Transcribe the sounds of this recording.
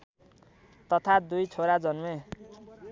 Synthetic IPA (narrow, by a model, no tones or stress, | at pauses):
t̪ʌt̪ʰad̪ujt͡sʰoɾad͡zʌnme